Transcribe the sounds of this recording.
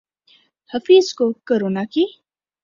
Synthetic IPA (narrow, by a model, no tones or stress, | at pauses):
həfiːzkokoɾoːnaki